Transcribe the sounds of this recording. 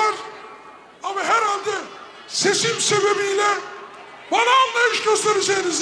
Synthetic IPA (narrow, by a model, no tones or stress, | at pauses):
aɾ | amaɦæɾhalʲd̪ɛ | sesimsebebijlʲɛ | banaːnlˠajɯʃɟøst̪ʰeɾed͡ʒejniz